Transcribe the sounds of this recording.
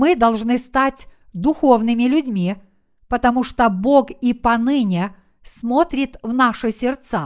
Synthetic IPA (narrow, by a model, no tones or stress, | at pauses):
mɨd̪ɐlˠʐnɨst̪atʲ | d̪ʊxo̞vnɨmʲɪlʲʊdʲmʲi | pət̪ɐmuʂt̪obokipɐnɨnʲɪ | smot̪ɾʲɪt̪vnaʂɨsʲɪrt̪sa